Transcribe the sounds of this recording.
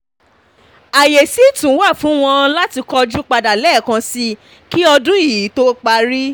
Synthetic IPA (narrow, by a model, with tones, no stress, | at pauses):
a˨je˨si˨˦˨tũ˨˦wa˦˨fũ˨˦w̃ɔ̃˧la˦ti˧kɔ˧d͡ʒũ˦k͡pa˧da˨lɛ˦˨kã˧si˦ | ki˦ɔ˧dũ˦i˦˨i˨˦to˦k͡pa˧ɾi˦